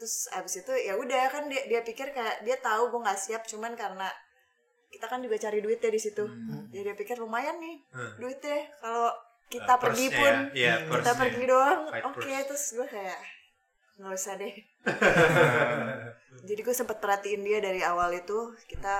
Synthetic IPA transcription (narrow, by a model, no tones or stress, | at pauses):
t̪ɾʊsa̰bɪsit̪ujaudakandiadiapikɪrkajaʔdiat̪auɡuaŋɡaʔsiap̚t͡ʃumankaɾəna | kit̪akandibat͡ʃaɾiduɪt̪̚jadisit̪ud͡ʒadiapikɪrːumajanːɪduɪt̪̚jɛkalo | kit̪apərɡipʊnkit̪apərɡidoaŋoket̪ɾʊsɡuakajaʔ | ŋaləsadɛ | d͡ʒadiɡuasəmpat̪̚pərhat̪iɪndiadaɾiawalit̪ukit̪a